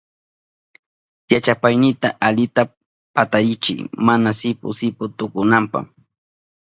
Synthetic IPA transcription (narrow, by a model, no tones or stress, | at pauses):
jat͡ʃapajnɪt̪aʔaʎɪt̪a | pat̪aɾɪt͡ʃɪ̰jmanasɪpʊ̰sɪpʊt̪ʊkʊnampa̰χ